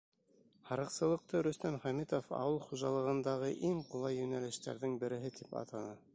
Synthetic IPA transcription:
hɑɾɤ̆qsɤ̆lˠɤ̆q̚t̪ɤɾɵ̆st̪æmχæmit̪ofɑ̰wɤlˠχuʒɑlˠɤ̆ʁɤ̆nd̪ɑʁɤʔiŋqulˠɑjːɵ̆nælɘ̆ʃt̪æ̰ɾðɘŋbɘ̆ɾɘ̆ɦɘt̪ʰipɑ̰t̪ɑnɤ

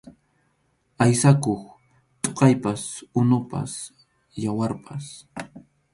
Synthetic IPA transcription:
ajsakoχ | t̪ʼoqɑjpasʊnʊpa̰s | jawaɾpʰas

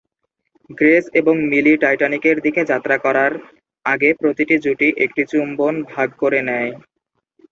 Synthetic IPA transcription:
ɡɾeseboŋmiliʈajʈanikeɾd̪iked͡ʑat̪ːɾakɔɾaɾ | aɡepɾot̪iʈid͡ʑuʈiʔek̚ʈit͡ɕumbonbʱaɡkoɾenɛj

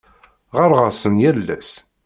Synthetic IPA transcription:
ʁəɾˤʁəsənjælːæ̰s

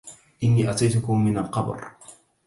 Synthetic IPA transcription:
ʔɪnːiːʔat̪ajt̪ʊkʊmːɪnalqɑb̰ɾ

